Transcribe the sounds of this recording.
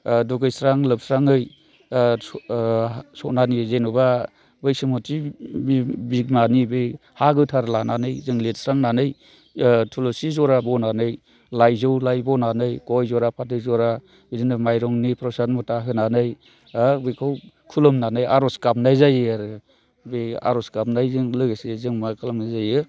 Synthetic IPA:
dɔɡɯjsɾaŋlɯp̚sɾaŋɯj | sɔnanizenuba | bɯjsɯmɔtʰibibikmanibɯjhaɡɯtʰaɾlananɯjzɯŋlet̚sɾaŋnanɯj | tʰulɔsizɔɾabɔnanɯj | lajzɯwlajbɔnanɯjkɔjzɔɾapʰatɯzɔɾa | bidinɯmajɾɔŋnipʰɾɔsanmɔtaɦɯnanɯj | abɯjkʰaw | kʰulɯmnanɯjaɾɔskap̚najzajɯaɾɯ | bea̰ɾɔskap̚najzɯŋlɯɡesezɯŋmakʰalamnajzajɯ

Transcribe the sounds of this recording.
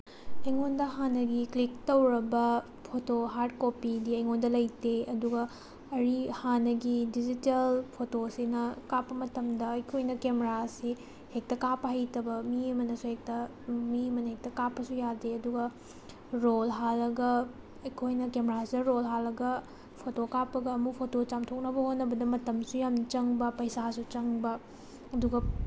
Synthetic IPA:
ɐjŋondɐɦanɐɡiklik̚tɐwɾɐbɐ | pʰotoɦaɾd̚kopidiɐjŋondɐlɐjteɐduɡɐ | ɐɾihanɐɡidizitelpʰotosinɐkapːɐmɐtɐmdɐːjkʰojnɐkemeɾasi | hek̚tɐkapːɐɦɐjtɐbɐmiɐmɐnɐsuhek̚tɐ | miɐmɐnɐhek̚tɐkapːɐsujadeɐduɡɐ | ɾolɦalːɐɡɐ | ɐjkʰojnɐkemeɾasidɐɾolɦalːɐɡɐ | pʰotokapːɐɡɐːmupʰotot͡ʃamtʰok̚nɐbɐhonːɐbɐdɐmɐtɐmsujamt͡ʃɐŋbɐpɐjsasut͡ʃɐŋbɐ | ɐduɡɐ

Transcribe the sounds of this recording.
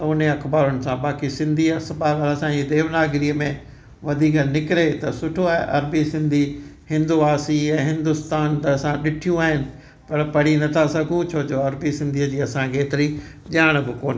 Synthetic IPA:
t̪ɐʊn̤eɐxbaːɾʊnɪ̆sãbaːkisɪ̃nd̪ʱiɐsɐbaːʋaːɾasãid̪eːʋnaːɡɪɾiːəmẽ | ʋɐd̪ʱiːkənɪkɪɾet̪ɐsʊʈʰoaːɦeʔɐɾbisɪ̃nd̪ʱihɪ̃nd̪uaːsiɛ̃ːɦɪ̃nd̪ʊst̪aːnt̪ɐɐsãɗɪʈʰijũaːɦɪnɪ̆ | pɐɾpɐɽ̤inɐt̪ʰasɐɡʱũt͡ɕʰoːd͡ʑoːɐɾbisɪ̃nd̪ʱiːəd͡ʑiːɐsãkʰeːt̪ɪɾi | ʄaːɽ̃bɪkoːnɪ

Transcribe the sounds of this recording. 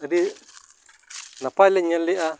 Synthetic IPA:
ɾi | nãpaleɲãliʔa

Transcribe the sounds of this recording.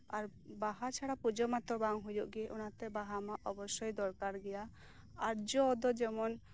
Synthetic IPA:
aɾbaɦat͡ʃʰaɽapud͡ʒɔmat̪ɔbaŋɦujɔʔɡɛʔɔnat̪ɛbaɦamaʔɔbɔsɔjd̪ɔɾkaɾɡɛja | aɾd͡ʒɔd̪ɔd͡ʒɛmɔn

